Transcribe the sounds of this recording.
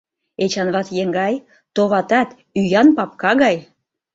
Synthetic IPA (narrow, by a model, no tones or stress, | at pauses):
et͡ɕɑnβɑt̪jeŋɡɑj | t̪oβɑt̪ɑt̪ | yjɑnpɑp̚kɑɣɑj